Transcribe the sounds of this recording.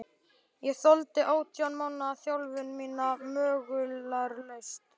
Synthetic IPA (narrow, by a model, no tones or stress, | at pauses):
jɛɣθɔlt̪ɪʔaːwt̪ʰjanmaːwnaːθjawlvʏnmiːnamœːɣʏlaɾlejst̪